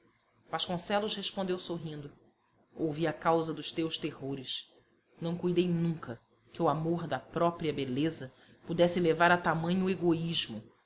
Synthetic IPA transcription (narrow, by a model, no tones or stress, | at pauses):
v̥aʃkõsɛlʊʃheʃpõnd̪ewsoɦĩnd̪ʊ | owviɐkawzɐd̪ʊʃt̪ewʃt̪ehoɾɪʃ | nɐ̃w̃kujd̪ejnũŋkɐ | kɪʊamoɾd̪ɐpɾɔpɾiɐbelezɐ | pud̪ɛsɪlevaɾɐt̪amɐ̃ɲʊeɡoiʒmʊ